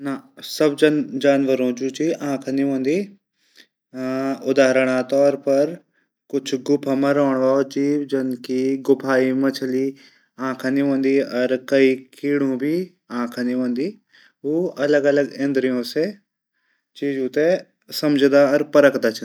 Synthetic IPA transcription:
nasɐbd͡ʒɐnd͡ʒaːnʋəɾõd͡ʒuːt͡ʃiãːkʰniɦõːnd̪iː | ʊd̪aːɾəɽ̃ãt̪ɔːɾpɐɾ | kʊt͡ʃʰɡʊpʰamãɾoːɳ̃ʋaːod͡ʒiːʋd͡ʒɐnkiɡʊpʰaːimɐ̃t͡ʃʰəli | ãːkʰaniɦõːnd̪iɔɾkɐikiːɽ̤ũbʱi | ãːkʰəniɦõːnd̪iː | oːɐləɡɐləɡẽnd̪ɾijõse | t͡ʃiːd͡ʒũt̪e | sɐmd͡ʒd̪aɔɾpɐɾəkd̪at͡ʃʰ

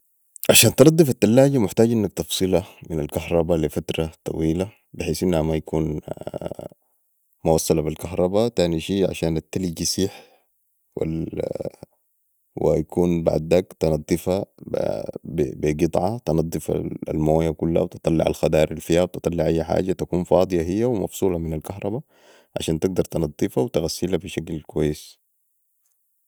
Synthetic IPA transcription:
ʕaʃaːnt̪ɑnɑd̪ˤːɨfat̪ːalːaːɟamʊħt̪aːɟʔinːak̚t̪ɑfsˤɨlaminalkaɦɾˤɑbalifat̪ɾɑt̪ˤɑ̰wiːla | bɪħeːsʔinːhamajakʰuːn | muwɑsˤːɑlabilkaɦɾˤɑbat̪aːniʃiːʕa̰ʃaːnat̪ːalid͡ʒisiːħ | wa̰ | wjakʰuːnba̰ʕd̪akt̪ɑnɑd̪ˤːɨfab̰bbiɡɨt̪ˤʕɑt̪ɑnɑd̪ˤːɨfa̰a̰lmoːjakulːha̰wt̪ɨ̥t̪ˤɑlːɪ̰ʕa̰lxad̪ɑːɾʔilfihawt̪ɨt̪ˤɑlːɪʕʔajːaħa̰ːd͡ʒat̪akuːnfɑːd̪ˤɨjɑɦijːawimɑ̰fsˤuːlɑminalkaɦɾˤɑba | ʕa̰ʃaːnt̪ɪɡ̚d̪ɑɾˤt̪ɑnɑd̪ˤːifawt̪aɣasːilabiʃaklkuwajːɪs

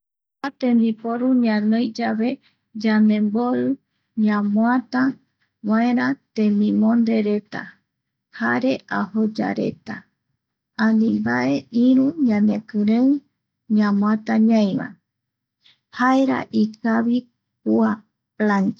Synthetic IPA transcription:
at̪ẽnd̪ipoɾuɲãnõjd͡ʒaβe̞ | d͡ʒanẽ̞mboɾɨ | ɲãmwat̪a | waẽɾãt̪ẽmĩmõnd̪e̞ɾe̞t̪a̰ | haɾe̞ʔahod͡ʒa̰ɾe̞̰t̪a | ãnĩmbaʔe̞iɾũɲãnekɨɾe | ɲãmw̃at̪aɲãj̃βa̰ | haeɾa̰ʔikaβi | kua | plãnd͡ʒ

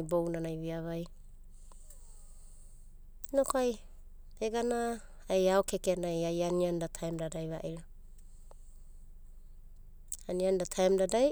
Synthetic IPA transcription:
jbownanajβiaβaj | nokoaj | eɡana | ajaokekenajajaniandatʰajmdadajβa̰ʔiɾa | aniandatʰaemdadaj

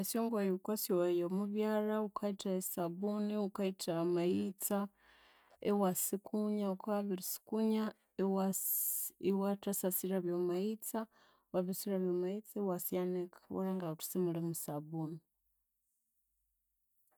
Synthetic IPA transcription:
esjoːŋɡwajukwasjwajomuβjaːɾaukʰaitaesaβuniukaitʰaːmait͡sa | ewasikuɲaukaβiɾisi̥kuɲa | wa | ewatasasiɾaβjomait͡sa | waβisiɾaβjomait͡sawasianekḁwa̰laŋɡautu̥simulemusaβuni

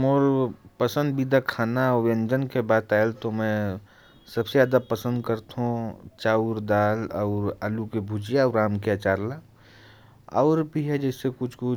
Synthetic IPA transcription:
moːɾpəsə̃nd̪bid̪akʰaːnaɔɾẽnd͡ʒənkebaːt̪aːelt̪omɛ̃ | sɐbsejaːd̪apəsə̃nd̪kəɾt̪ɦũt͡ʃaːuɾd̪aːlɔːɾəlukebʱud͡ʒijaːɾaːmkeat͡ʃaːɾla | ɔ̰ːɾbiɦɛd͡ʒɛsekʊt͡ʃʰkʊ

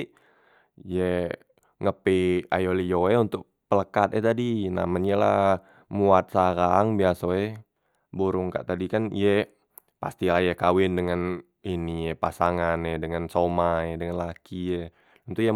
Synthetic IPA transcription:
jɛ | ŋəpia̰jolijoɛunt̪ʊk̚pələkat̪̚ɛt̪adina̰maɲala̰ | muat̪̚saɾaŋbiasoɛ | buɾʊŋka̰ʔt̪adikanḭjɛ | pa̰st̪ilahjakawɪndəŋan | inijɛpasaŋanɛdəŋansomaɛdəŋanlakiɛ | unt̪ʊja

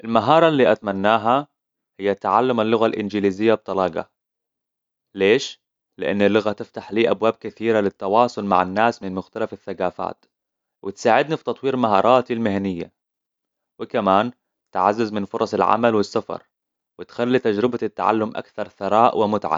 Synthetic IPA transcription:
ʔɪlmaɦɑːɾˤɑlːiːʔat̪manːaːɦa | hɪjːat̪aʕalːʊmalːʊɣalʔɪ̰nd͡ʒɪliːzɪjːab̚t̪ɑlɑːɡɑ̰ | leːʃ | lɪʔɪnːalːʊɣat̪ɪft̪aħliːʔabwaːb̚kɪθiːɾalɪt̪ːɑwɑːsˤʊlma̰ʕanːaːsmɪnmʊxt̪alafɪθːaɡaːfa̰ːt̪ | wʔɪt̪saːʕɪd̪nifi̥t̪ɑt̪ˤwiːɾmaɦɑ̰ːɾˤɑːt̪ɪlmɪhanɪjːa̰ | wɪkamaːn | t̪ɪʕa̰zːazmɪnfʊɾˤɑsˤɪlʕa̰malwɪsːafɑ̰ɾˤ | wɪt̪xalːit̪ad͡ʒɾɪbat̪ːa̰ʕa̰lːʊmʔa̰kθɑɾˤθɑɾˤɑːʔwɪmʊt̪ʕa̰

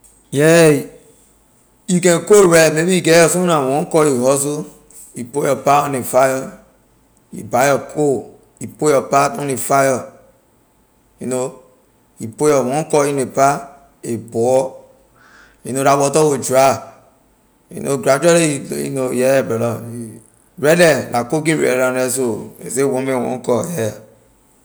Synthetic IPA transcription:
jɛ | jukɛ̃nkoɾɛmebiiɡɛjɔsunawɔ̃nkɔjihɔzo | ipojɔpaɔ̃nefajɔ | ḭbajɔkʰo | ipojɔpatɔnefajɔ | juno | ipojɔwɔ̃nkɔinepa | ebɔ | junoɾawɔtɔwod͡ʒɾa | jṵno̰ɡɾad͡ʒɛliiḭnojɛbɛlɔ | ɾɛlɛlakok̬ĩɾɛ̰ɾãɾɛsoḛsewɔ̃mɛ̃wɔ̰̃kɔjɛ

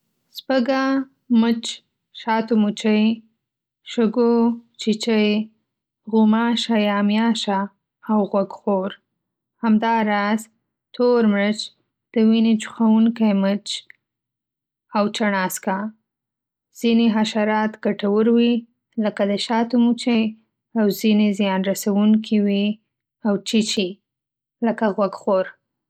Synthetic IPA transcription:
spəɡa | mət͡ʃ | ʃɑt̪umut͡ʃəj | ʃʊɡot͡ʃit͡ʃəj | ɣumɑʃajɑmjɑʃaː | wɣwaɡxoɾ | hamd̪ɑɾɑz | t̪ʰoɾmɾət͡ʃ | d̪̥əwinet͡ʃʊ̥xawuŋkajmət͡ʃ | awt͡ʃaɳɑska | z̥ineɦaʃaɾɑt̪ɡ̥aʈawəɾwi | ləkad̪əʃɑt̪umut͡ʃe | awzinezjɑnɾasawuŋkʰiwi | awt͡ʃit͡ʃi | ləkaɣwaɡxoɾ

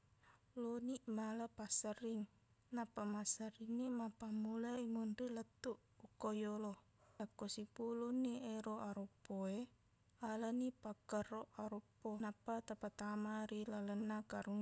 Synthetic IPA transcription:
loniʔmalapasəɾiŋ | napamasəɾiŋnimapamulaimunrilət̪uʔ | ukojolo | akosipuluniʔeɾoʔaɾopːoe | alənipakəroʔaɾupːonapat̪apat̪amaɾilalənakaɾuŋ

